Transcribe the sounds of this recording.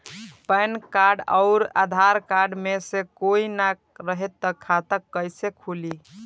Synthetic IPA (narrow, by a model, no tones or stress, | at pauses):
pəjnkaɾɖəʊɾa̰d̪ʱaɾkaɾɖmesekoina | ɾəɦet̪ːəkʰːat̪əkːəjsekʰuli